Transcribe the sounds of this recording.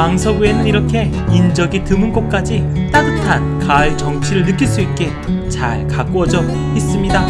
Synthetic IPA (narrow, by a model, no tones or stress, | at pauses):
aŋsʰʌɡue̞nɯniɾʌkʰe̞ | ind͡ʑʌɡitɯmɯnɡʌt̚k͈ad͡ʑi | t͈adɯtʰankaɭt͡ɕʌŋt͡ɕʰiɾɯɭnɯk͈iɭs͈uit̚k͈e̞ | t͡ɕaɭkak͈uʌd͡ʑʌ | is͈ɯmɲida